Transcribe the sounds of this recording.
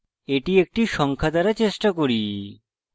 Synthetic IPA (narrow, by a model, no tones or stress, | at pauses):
eʈiek̚ʈiʃɔŋkʰad̪aɾat͡ɕeʃʈakoɾi